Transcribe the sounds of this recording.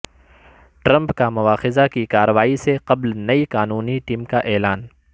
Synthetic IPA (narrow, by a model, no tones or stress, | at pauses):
ʈɾɐ̃mpkamʊʋaːxɪzakikaːɾəʋaːiseqɐblnɐiqaːnuːniʈiːmkaʔɛːlaːn